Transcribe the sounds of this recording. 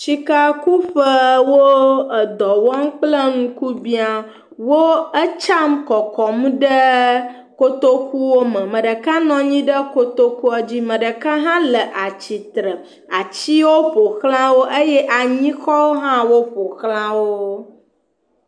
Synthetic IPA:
ʃi˦ka˦ku˦ɸə˦wo˦ə˨d̪ɔ˨wɔ˦m˦k͡plə˦ŋũ˦ku˦bi˦a˨ | wo˦ə˦t͡ʃa˦mkɔ˨kɔ˨m̃˦ɖə˦ | ko˦t̪o˦ku˦wo˦mə̃˨mə̃˨ɖə˨ka˦nɔ̃˨ɲĩ˦ɖə˦ko˦t̪o˦ku˦a˦d͡ʑi˦mə̃˨ɖə˨ka˦ɦã˦lə˨ʔa˨t͡ɕi˨t̪ɾə˨ | a˨t͡ɕi˦wo˦ɸo˨xl̃ã˦wo˦ʔe˦jɛ˦ʔa˨ɲĩ˦xɔ˦wo˦ɦã˦wo˦ɸo˨xlã˦wo˦

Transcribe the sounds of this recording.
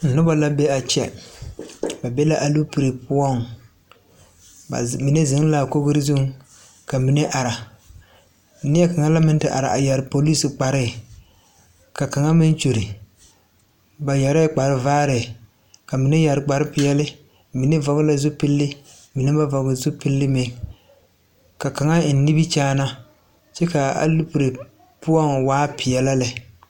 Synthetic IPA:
n̩˨nʊ˦ba˦la˦bɛ˦a˨t͡ʃɛ˦ | ba˨bɛ˦la˦ʔa˨lu˦pi˨ɾe˨pʊ˦ɔ˦˨ŋ˨ | mɪ˨nɛ˦zɪ˨ŋ˦la˨ko˦ɡʊ˦ɾɪ˦zʊ˦ŋ˦ | ka˨mi˨nɛ˦ʔa˨ɾa˨˦ | nɪ˦ɛ˦ka˨ŋa˦la˦mɪ˦n˦tɨ˦ʔa̰˨ɾa̰˨ʔa˨ja˨ɾɪ˨po˨li˦sɪ˨k͡pa˨ɾɪ˦˨ | ka˨ka˨ŋa˦mɪ˦n˦t͡ʃo˨ɾɪ˨ | ba˨ja˨ɾɪ˦k͡pa˨ɾɪ˦vaː˦ɾɪ˨ | ka˨mi˨nɛ˦ja˨ɾɪ˨k͡pa˨ɾɪ˦pɪ˨jɛ˦lɪ˦ | mi˨nɛ˦va˨ɡla˦zu˦pi˦lːɪ˦ | mi˨nɪ˦ba˦vɔ˨ɡɪ˨zu˦pi˦lːɪ˦me˨ | ka˨ka˨ŋa˦˨n˦ni˦bi˦t͡ʃaː˦na˦ | t͡ʃɛ˦ka˨a̰˨lu˦pu˨ɾe˨ | pʊ˦ɔ˦ŋwaː˦pɪ˨jɛ˨la˦lɪ˨

